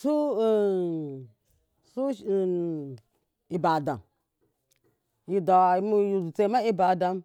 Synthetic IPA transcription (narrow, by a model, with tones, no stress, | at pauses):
su˦˨ | su˦˨ | i˨ba˨da̰˨m | ji˨da˨˦mu˦ju˨u˨t͡se˨˦ma˦i˦ba˨da˧m